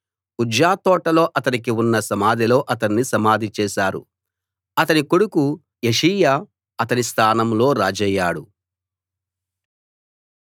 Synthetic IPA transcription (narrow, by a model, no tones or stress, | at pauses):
ud͡ʒjaːt̪ɔːʈɐlo̞ːʔɐt̪ɐnikiunːɐsɐmaːd̪ʱilo̞ːʔɐt̪ɐnːisɐmaːd̪ʱit͡ʃɛːʃaːɾṵ | ɐt̪ɐnikoɽuku | jeʂiːja | ɐt̪ɐnist̪ʰaːnɐmlo̞ːɾaːd͡ʒɛjːaːɽu